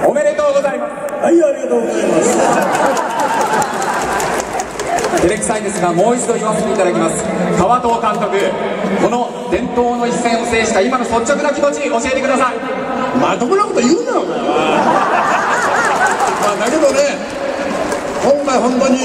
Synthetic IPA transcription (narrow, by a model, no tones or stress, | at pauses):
ome̞ɾe̞t̪o̞ːɡo̞zaimasaiaɾʲiɡat̪oːɡozaimas | d̪eɾekɯ̥saĩnd̪esɨɡamo̞ːit͡ɕid̪o̞çooset̪eit̪ad̪akʲimasɨ̥kaβat̪o̞ːt̪ãnt̪o̞kɯ̟ko̞no̞ | d̪̥ẽ̞nt̪o̞ːno̞isːẽ̞ɰ̃ose̞ːɕi̥kaimano̞so̞t͡ɕ̚ːokɯ̟nakʲimo̞t͡ɕiɲ̟iʔo̞ɕie̞t̪ekɯ̟d̪asai | mat̪okɯnɯkot̪ojɯnd̪ao | maːnaɾɯd̪one | kõŋkaiɦõ̞nt̪oɲ̟i